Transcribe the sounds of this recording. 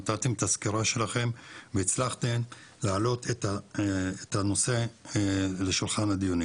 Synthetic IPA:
t̪at̪emet̪askiɾaʃe̞laχe̞mveit͡slaχt̪em | laːlo̞t̪et̪aː | t̪hano̞se̞ | leʃulχanhad̪ijoni

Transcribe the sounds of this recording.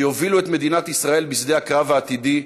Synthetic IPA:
jovilue̞t̪me̞d̪inat̪isʁae̞lbisd̪e̞jhakʁavaːt̪id̪i

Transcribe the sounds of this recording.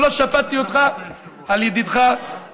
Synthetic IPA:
loʃafat̪iot̪χa | aljed̪id̪χa

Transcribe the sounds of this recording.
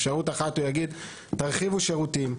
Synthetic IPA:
fʃaʁutaχat̪ujaɡid̪ | taʁχivuʃeʁutim

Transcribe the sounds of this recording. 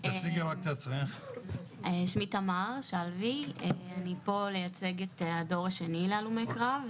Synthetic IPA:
tat͡siɡeʁak̚t̪eat͡sʁiχ | eʃmitamaʁʃalvieanipo̞le̞jat͡se̞ɡetado̞ʁaʃenilealumejkʁav

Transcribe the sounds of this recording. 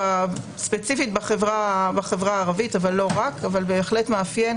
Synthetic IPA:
a | spe̞t͡sifit̚baχevʁabaχe̞vʁaːʁavitavalːo̞ʁakavalbe̞ːχle̞tmeafje

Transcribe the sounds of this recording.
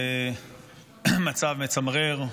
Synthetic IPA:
mat͡savmet͡samʁeʁ

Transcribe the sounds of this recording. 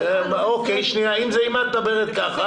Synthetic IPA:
okejʃniaimzeimat̪d̪abeʁet̪kaχa

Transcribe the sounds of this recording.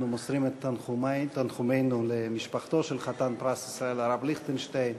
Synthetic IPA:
numosʁimet̪ːanχumt̪anχumejnulemiʃpaχt̪o̞ʃelχat̪anpʁasisʁaelaʁabliχt̪enʃt̪ajn

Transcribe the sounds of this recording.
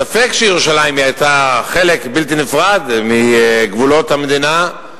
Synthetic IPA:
safekʃejeʁuʃalaimjajtaχe̞lekbilt̪̬inefʁad̪miɡvulo̞t̪hamed̪ina

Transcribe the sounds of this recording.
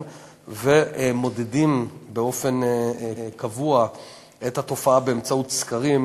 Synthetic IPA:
vemo̞dedimbeo̞fe̞n | kavua | ʔethato̞faabeːmt͡saut̪skaʁim

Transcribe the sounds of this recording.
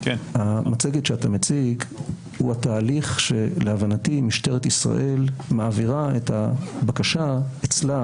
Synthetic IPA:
hamat͡seɡetʃeatamet͡siɡ | huhataːliχʃe̞leavanatimiʃteʁet̪isʁa̰ʔe̞lmaːviʁaethabakaʃaet͡sla

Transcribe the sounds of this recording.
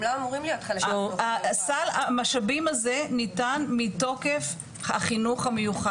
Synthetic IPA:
lamamoʁimlijotχalaasalamaʃabimazenitanmito̞ke̞f | haχinuχamejuχa

